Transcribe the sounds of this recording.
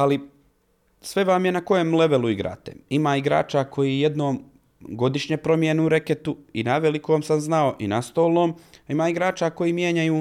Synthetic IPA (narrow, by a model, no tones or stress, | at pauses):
ali | sʋe̞ʋamje̞nako̞jemle̞ʋe̞luiɡɾa̰ːt̪ḛimaːiɡɾa̰ːt͡ʃakʰo̞jiːjed̪no̞ːm | ɡo̞d̪iʃɲepɾo̞mjeneuɾe̞ket̪uinaʋelikoːmsamznao̞ʔinast̪o̞ːlno̞ːmimaːiɡɾaːt͡ʃaːko̞jiːmjeːɲajuː